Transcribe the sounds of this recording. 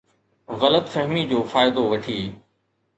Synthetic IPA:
ɣɐlət̪fɐɦmid͡ʑoːfaːɪd̪oʋɐʈʰiː

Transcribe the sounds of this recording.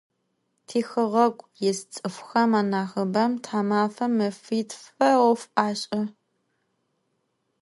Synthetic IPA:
tʰiːxɨʁɐkʷʼjɛst͡sʼɨfʷxɐmaːnaːxɨbɐmtʰaːmaːfɐmɨfiːtʰfɐwɔfʔaːɕʼɐ

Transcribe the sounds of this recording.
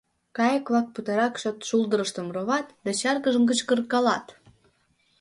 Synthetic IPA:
kɑjəkβɑk̚put̪ɑɾɑkʃot̪ʃulˠd̪əɾəʃt̪ə̆mroβɑt̪d̪ɑt͡ɕɑrɣəʒəmkət͡ɕkərkɑlɑ̰t̪

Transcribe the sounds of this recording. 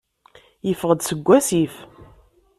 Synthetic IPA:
jəfəʁəd̪səɡʷːæsif

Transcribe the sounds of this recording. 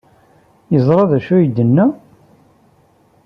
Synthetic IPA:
jəzˤɾˤɑðæʃujəd̪ːənːæ

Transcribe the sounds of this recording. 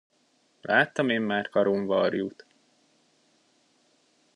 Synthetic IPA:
lʔaːt̪ːɒmeːmːaːrkɒɾuɱvɒɾjuːt̪

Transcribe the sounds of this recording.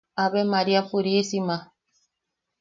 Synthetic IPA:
aβɛmaɾiafuɾisima

